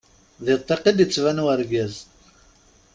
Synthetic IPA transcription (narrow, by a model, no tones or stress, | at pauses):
ðet̪ˤːeqid̪ət͡sːvænwəɾɡæz